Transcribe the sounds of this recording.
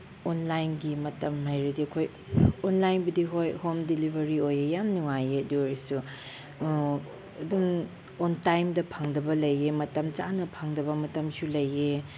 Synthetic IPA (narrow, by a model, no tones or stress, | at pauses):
onlajnɡimɐtɐmhajɾɐdiɐkʰoj | onlajnbɐdiɦojhomdilibʱɐɾiojejamnuŋajeɐduɾisu | ɐdum | ontajmdɐpʰaŋdɐbɐlɐjemɐtɐmt͡ʃanɐpʰaŋdɐbɐmɐtɐmsulɐje